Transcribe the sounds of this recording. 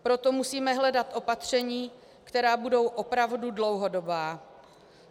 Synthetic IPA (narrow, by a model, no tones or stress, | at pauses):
pɾo̞t̪o̞musiːmɛɦlɛdat̪ʔo̞pat̪r̝̥ɛɲiː | kt̪ɛɾaːbudo̞wʔo̞pɾavdudlo̞wɦo̞dobaː